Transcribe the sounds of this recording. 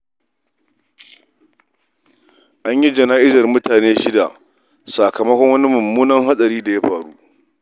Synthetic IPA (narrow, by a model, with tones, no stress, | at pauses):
ʔa˦ɲji˦d͡ʒɐ˨naː˦ʔɪ˦zɐ˨rmʊ˦taː˨neː˦ʃɪ˦da˨ʔ | sa˨kɐ˨mɐ˦kʷɔ˦ŋwɐ˦ni˦mʊ˨mːuː˦nɐ˦ŋɦa˦sʼɐ˨ɾiː˦da˨ja˦ɸaː˨ɽṵ˦ʔ